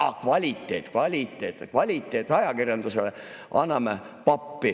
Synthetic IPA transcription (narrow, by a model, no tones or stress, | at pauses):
ɑkvɑlʲit̪ːˑḛt̪kvɑlʲit̪ːˑeːt̪kvɑlʲit̪ːˑeːt̪ːˑɑjɑkirjɑnd̪̥usele | ʔɑnːɑme | pɑpːi